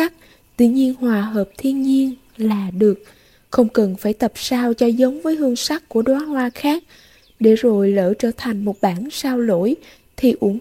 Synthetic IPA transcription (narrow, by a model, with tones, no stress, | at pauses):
a˦˥k̚ | t̪wḭ˧ɲi˧ənhwaː˨˩ɦəː˨˩p̚t̪ʰi˧ənɲi˧ən | laː˨˩ɗɨ˨˩ək̚ | xə˧wŋ͡mkə˨˩nfaː˧˩jt̪ə˨˩p̚saː˧wt͡ɕɔ˧zə˨˦wŋ͡mvəː˨˦jhɨ˧əŋsa˦˥k̚ku˧˩əɗwaː˨˦nhwaː˧xaː˦˥k̚ | ɗe˧˩zo˨˩jlə̰ː˧˩t͡ɕəː˧˩t̪ʰa˨˩jŋ̟mo˨˩t̚ɓaː˧˩nsaː˧wlo̰˧˥j | t̪ʰi˨˩ʔu˧˩ən